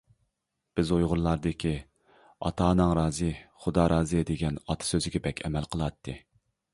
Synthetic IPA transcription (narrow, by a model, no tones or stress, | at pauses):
b̥ɪzojʁʊɾlˠɑɾd̪ɨkʲi | ɑ̰t̪ʰɑːnɨŋɾɑːzɨχʊd̪ɑɾʔɑːzɨd̪eɡʲɛnɑt̪ʰɨ̥søzɪɡʲɛbɛkʲʰɛ̰mɛlqʰəlˠɑt̪ʰːɨ